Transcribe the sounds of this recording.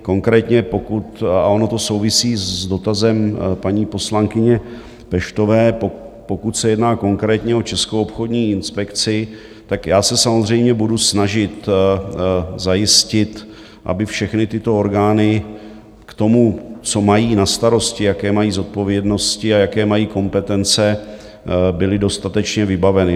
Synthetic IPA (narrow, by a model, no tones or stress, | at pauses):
ko̞ŋkɾɛːt̪ɲɛpo̞kut̪ao̞no̞t̪o̞so̞wvɪsiːzzdo̞t̪azɛmpaɲiːpo̞slaŋkɪɲɛ | pɛʃt̪o̞vɛːpopo̞kut̪sɛjɛdnaːko̞ŋkɾɛːt̪ɲɛo̞t͡ʃɛskowopxo̞dɲiːɪnspɛkt͡sɪ | t̪akjaːsɛsamo̞zr̝ɛjmɲɛbudusnaʒɪt̪ | zajɪscɪt̪ | ʔa̰bɪfʃɛxnɪt̪ɪt̪o̞oɾɡaːnɪ | kt̪o̞mut͡so̞majiːnast̪aɾo̞scɪjakɛːmajiːzo̞t̪̚po̞vjɛdno̞scɪajakɛːmajiːko̞mpɛt̪ɛnt͡sɛ | bɪlɪdo̞st̪at̪ɛt͡ʃɲɛvɪbavɛnɪ